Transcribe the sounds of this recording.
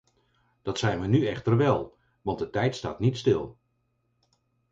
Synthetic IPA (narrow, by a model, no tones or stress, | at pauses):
d̥ɑtsɛjnʋənyɛχtərʋɛlˠ | ʋɑnt̚dətɛjtsta̰ːtnitstɪlˠ